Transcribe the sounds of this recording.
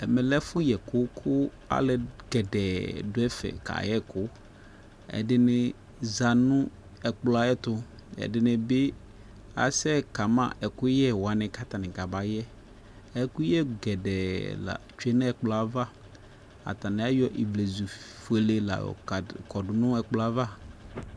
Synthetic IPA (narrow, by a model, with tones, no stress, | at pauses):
ɛ˨mɛ˨lɛ˦fʊ˦jɛ˨kʊ˦kʰʊ˦ | a̰˨lɛ˨ɡɛ˨dɛ˨dʊ˦ɛ˦fɛ̰˨ka̰˨jɛ˦kʊ˦ | ɛ̰˨dɪ˨nɪ˨ | za˨nʊ̃˦ | ɛ˨k͡pla˨jɛ˦t̪ʊ˦ɛ̰˨dɪ˨nɪ̃˨bɪ˦ | a̰˨sɛ˦ka˨mã̰˨ʔɛ˨kʊ˦jɛ˦wa˨nɪ̃˨ka˦t̪a˨nɪ̃˨ka˨ba˨jɛ˦ | ɛ˨kʊ˦jɛ˦ɡɛ˨dɛ˨la̰˨t͡ʃu˦ɛ˦n˦ɛ˦k͡pla˦va˦ | a̰˨t̪a˨nɪ̃˨a˦jɔ˦ʔi˨vle˨zu˨ | fu˨e˨le˨la̰˨kɔ˨dʊ˨nʊ̃˦ɛ˨k͡pla˦va˦